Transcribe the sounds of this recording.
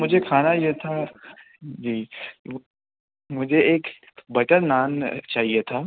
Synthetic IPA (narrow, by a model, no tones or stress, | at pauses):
mʊd͡ʒʱekʰaːnajet̪ʰa | d͡ʒiː | mʊd͡ʒʱeeːk | bɐʈənnaːnt͡ʃaːɦiet̪ʰaː